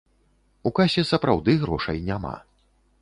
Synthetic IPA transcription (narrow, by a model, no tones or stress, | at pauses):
ukasʲɛsɐpɾawd̪ɨɣɾɔʂɐjnʲama̰